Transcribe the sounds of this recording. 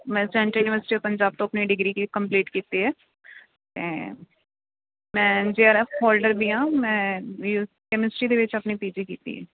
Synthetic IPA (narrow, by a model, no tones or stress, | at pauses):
mɛ̃ːsɛ̃ːɳʈəɾjuːnɪʋəɾsɪ̥ʈiopəɲd͡ʒaːb̚t̪õːəpniːɖɪɡɾiːkikəmpliːʈkiːt̪eɦɛː | t̪ḛː | mɛ̃ːd͡ʒeəɾɛːɔːlɖəɾbiːɦãːmɛ̃ːju | kɛmɪsʈiːd̪eːʋɪt͡ʃəpniːp̪iːd͡ʒiːkiːt̪ḭɦɛ̰ː